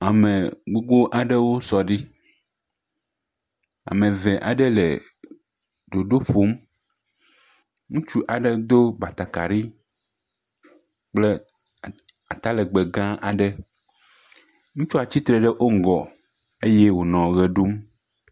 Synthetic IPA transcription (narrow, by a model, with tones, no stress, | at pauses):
a˨me˨ɡ͡bo˦ɡ͡bo˦ʔa˨ɖɛ˦wo˦sɔ˨ɖi˦ | a̰˨mẽ˨vɛ˨ʔa̰˨ɖɛ˦lɛ˨ | ɖ̪o˨ɖo˦ɸo˨˦m | ŋũ˦t͡ʃu˦ʔa˨ɖɛ˦d̪o˦ba˨t̪a˨ka˨ɾi˦ | k͡ple˦ | a˨t̪a˦lɛ˨ɡ͡be˨ɡã˦ʔa˨ɖɛ˦ | ŋũ˦t͡ʃo˦a˨t͡ɕi˦t̪ɾɛ˨ɖɛ˦ʔo˦ŋ̩˨ɡɔ˨ | e˦je˦wo˨nɔ̃˨ɣɛ˨ɖu˦m